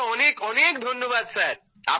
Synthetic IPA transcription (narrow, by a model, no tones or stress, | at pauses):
ɔnekɔnekd̪ʱonːoβad̪̚sʰaɾ | a̰